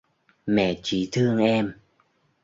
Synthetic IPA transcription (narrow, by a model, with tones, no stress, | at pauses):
mɛ̰˧˨t͡ɕi˨˦t̪ʰɨ˧əŋʔɛ˧m